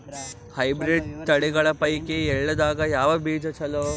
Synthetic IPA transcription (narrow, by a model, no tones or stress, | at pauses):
hɐjbɾiɖt̪ɐɽeɡɐɭɐpɐjkeɛɭːɐd̪aːɡɐjaːʋɐbiːd͡ʒɐt͡ʃʰɐloː